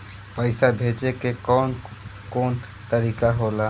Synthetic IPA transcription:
pəɪsabʱet͡ʃekekɔn | koːn | t̪əɾikaɦola

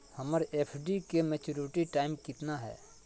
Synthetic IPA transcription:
hɐməɾeːpʰɖikemeːt͡ʃuːɾɪʈiʈaːɪmkɪt̪naɦɛ̰ː

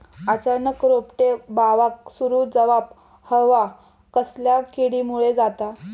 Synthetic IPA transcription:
at͡ɕaɾnəkɾopʈebaʋaksuɾuːd͡zəʋap | həʋa | kəsljakiɽimuɭed͡zat̪a

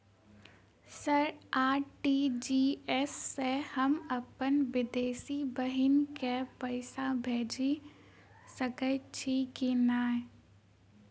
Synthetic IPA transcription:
səɾaːʈiːd͡ʒiːɛsːehɐmɐpənʋɪd̪eːsibəɦɪnkepəɪsabʱeːd͡ʒi | sɐkət͡ʃʰikinaː

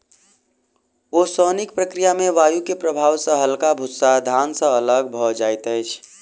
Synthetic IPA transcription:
osənik̚pɾəkɾijamẽʋaːjukepɾəbʱaːwsə̃ɦəlkabʱusad̪ʱansə̃ələɡ̚bʱɔd͡ʒajt̪əjt͡ʃʰ

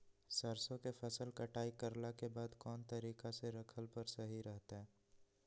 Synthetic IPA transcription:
səɾsõkepʰɐsəlkɐʈaːikəɾlakebaːd̪kɔːnt̪əɾiːkaseɾɐkʰəlpəɾsɐɦiɾɛɦt̪aɦɛː

